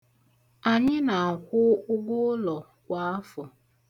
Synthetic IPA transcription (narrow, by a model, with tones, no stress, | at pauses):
a˨ɲɪ˦na˨a˨kʷʊ˦ʊ˦ɡ͡bʊ˦lɔ˨ | kʷa˨˦a˦fɔ˨